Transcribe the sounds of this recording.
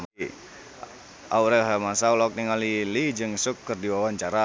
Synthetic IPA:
a̰uɾɛɦamasaulak̚niŋalilid͡ʒɨŋsʊkːərdiwawaɲt͡ʃaɾa

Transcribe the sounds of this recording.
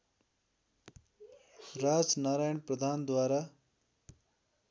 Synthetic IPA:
ɾaːd͡ʒnaːɾaːjəɳpɾəd̪ʱaːnd̪waːɾaː

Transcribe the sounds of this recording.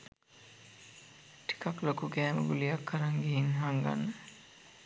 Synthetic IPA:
ʈi̥kaklokukɛːmə̰ɡulijakʰːaɾaŋɡiɦinɦaŋɡa̰nːə

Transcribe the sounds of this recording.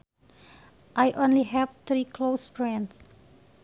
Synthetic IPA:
ʔajʔõnliɦɛvt̪ɾiklosfɹɛ̃ns

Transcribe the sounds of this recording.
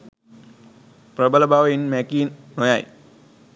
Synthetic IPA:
pɾəbələbaʋɐinmɛkiːnːojaj

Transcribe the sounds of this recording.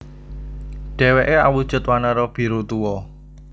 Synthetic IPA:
ɖ̥ɛ̤weʔeawud̥ʒ̥ʊ̤t̪wanaɾɔb̥i̤ɾut̪uwɔ

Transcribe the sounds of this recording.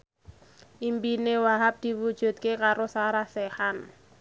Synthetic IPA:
ʔimpinewaɦap̚d̪̥i̤wud̥ʒ̥ṳd̪̚kekaɾosaɾahsɛhan

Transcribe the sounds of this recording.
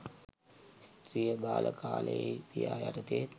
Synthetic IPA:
st̪ɾijəbaːlʔəkaːləjejpijaːjaʈət̪e

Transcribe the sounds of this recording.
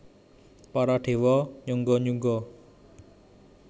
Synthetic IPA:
paɾaɖewɔɲuŋɡɔɲuŋɡɔ

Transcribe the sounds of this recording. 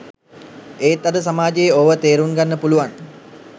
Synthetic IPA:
eːt̪ːad̪əs̬amaːd͡ʒejəoʋət̪eːɾuŋɡanːəpuluʋan

